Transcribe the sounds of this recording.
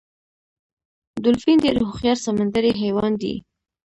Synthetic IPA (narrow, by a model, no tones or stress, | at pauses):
d̪ʊlfind̪əɾohʊxjɑɾsamand̪aɾiɦewɑnd̪ḭ